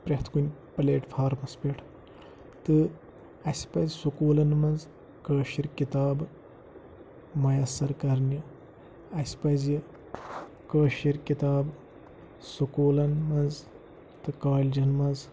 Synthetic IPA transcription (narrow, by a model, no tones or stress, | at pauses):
pɾʲɐt̪ʰkunʲpleːʈfʰaːɾmɐspʲeʈʰ | t̪ɨ | ɐsʲpɐzʲsukuːlɐnmɐnz | kəːʃiɾkit̪aːb | mɐjɐsɐɾkɐɾnʲi | ɐsʲpɐzi | kəːʃiɾkit̪aːb | sukuːlɐnmɐnz | t̪ɨkaːlʲd͡ʒɐnmɐnz